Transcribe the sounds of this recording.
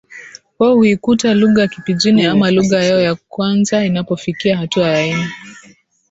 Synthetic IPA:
hɔhuikutaluɣajakipiʄiniamaluɣajɛɔjakwanzainapɔfikiahatuajainɛ

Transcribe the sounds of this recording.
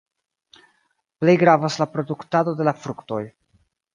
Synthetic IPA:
ple̞jɡɾavaslapɾo̞duktado̞de̞lafɾukto̞̰j

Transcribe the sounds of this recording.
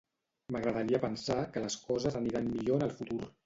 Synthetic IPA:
məɣɾəðəɾiəpənsakələskɔzəzəniɾanmiʎoənəlˠfut̪uɾ

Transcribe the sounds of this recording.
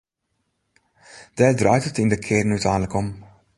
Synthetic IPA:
d̥ɛdrœɥtətindəkʰɪrnytɛjnləkɔm

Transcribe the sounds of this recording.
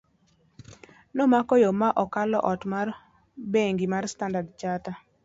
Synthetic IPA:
nomakɔjomaʔɔkalɔ̰ʔɔtmar | beŋɡimarstandadt͡ʃata

